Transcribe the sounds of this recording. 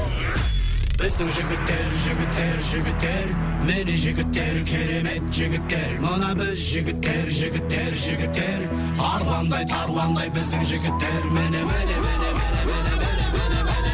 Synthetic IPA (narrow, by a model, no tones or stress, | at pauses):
b̥ɪzd̪ɪŋʒɪɡʲɪt̪ːe̞ɾʒɪɡʲɪt̪ːe̞ɾʒɪɡʲɪt̪ːe̞ɾ | meneʒɪɡʲɪt̪ːe̞ɾkʲʰeɾe̞me̞t̪ʒɪɡʲɪt̪ːe̞ɾmənɑbɪzʒɪɡʲɪt̪ːe̞ɾʒɪɡʲɪt̪ːe̞ɾʒɪɡʲɪt̪ːe̞ɾ | ɑɾʁɑnd̪ɑjt̪ʰɑɾlˠɑnd̪ɑjbɪzd̪ɪŋʒɪɡʲɪt̪ːe̞ɾmenemn